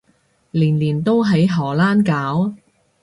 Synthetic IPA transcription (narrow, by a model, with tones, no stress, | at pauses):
liː˨˩nliː˨˩nt̪o˥wɦɐ˨˥jɦɔː˨˩laː˥nkaː˨˥w